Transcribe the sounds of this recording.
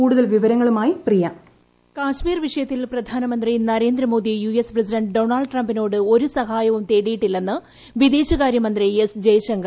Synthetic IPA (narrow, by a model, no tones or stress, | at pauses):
uːɽuðɐlʋiʋɐɾɐŋːɐɭumaːjiprijɐ | kaːʂmiːrʋiʂɐjɐt̪ːilprɐd̪ʱaːnɐmɐnd̪rinɐɾe̞ːnd̪ɾɐmo̞ːd̪ijujesprɐsiɖɐɳɖɖo̞ːɳɐːlɖʈrɐmbino̞ːɽɨo̞ɾusɐɦaːjɐʋumt̪e̞ːɽijiʈːilːenːɨ | ʋid̪eːɕɐɣaːɾjɐmɐnd̪riesd͡ʑejʂɐŋɡɐ